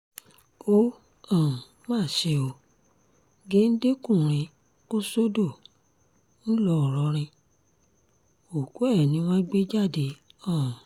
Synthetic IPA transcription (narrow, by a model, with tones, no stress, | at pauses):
o˦ | ɔ̃˨ | mãː˦˨ʃe˧o˧ | ɡe˨˦n̩˦de˦kũ˦˨ɾ̃ĩ˧ | o˦so˦do˦˨ | n̩˦lɔ˦ɔ˨ɾɔ˨˦ɾ̃ĩ˧ | o˨ko˨˦ɛ˦˨nĩ˨˦w̃ɔ̃˦ɡ͡be˦d͡ʒa˦˨de˨˦ɔ̃˦˨